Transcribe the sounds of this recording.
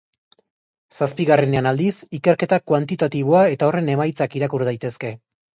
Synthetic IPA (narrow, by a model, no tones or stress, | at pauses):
saspiɣare̞ne̞anald̪isike̞ɾke̞t̪akwant̪it̪at̪iβoae̞t̪ao̞re̞ne̞majt͡sakiɾakuɾðajt̪e̞ske̞